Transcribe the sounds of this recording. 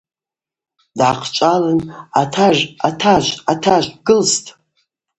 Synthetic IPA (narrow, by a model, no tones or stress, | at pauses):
dʕaqʰt͡ʃʷʼalɨnatʰaʒatʰaʒʷatʰaʒʷɡɨlstʼ